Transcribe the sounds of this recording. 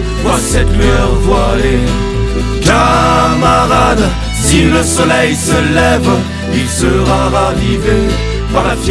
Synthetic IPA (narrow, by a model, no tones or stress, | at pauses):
vwasɛt̪lɥœʁd̪wale | kamaʁad̪ | siləsɔlɛjsəlɛv | ilsəʁaʁavive | paʁlaf